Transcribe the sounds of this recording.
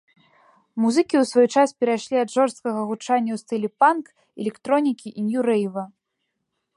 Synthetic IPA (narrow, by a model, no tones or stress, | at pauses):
muzɨkʲiwsvɔjt͡ʂaspʲɛɾaʂlʲiɐd̪ʐɔrst̪̚kɐɣɐɣut͡ʂanʲːɐwst̪ɨlʲɛpank | ɛlʲɛkt̪ɾɔnʲikʲiʔinjuɾɛjvɐ